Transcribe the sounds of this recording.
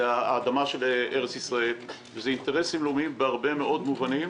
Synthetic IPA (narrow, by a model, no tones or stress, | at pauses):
aːd̪amaʃe̞lʔeʁet͡sisʁae̞l | vezeinteʁesimlomiimbeaʁbe̞meʔo̞dmuvanim